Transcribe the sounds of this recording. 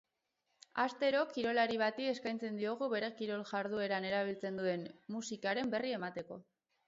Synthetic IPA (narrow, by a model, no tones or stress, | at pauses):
ast̪e̞ɾo̞kiɾo̞laɾiβ̞at̪ie̞skajnt͡se̞nd̪io̞ɣ̞uβe̞ɾe̞kiɾo̞lʝaɾðue̞ɾane̞ɾaβ̞ilt͡se̞nd̪ue̞nmusikaɾe̞mbe̞rie̞mat̪e̞ko̞̰